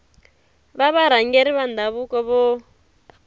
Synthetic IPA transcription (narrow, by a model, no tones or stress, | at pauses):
βaβaɾ̤aŋɡeɾiβand̪ʱaβukɔβɔ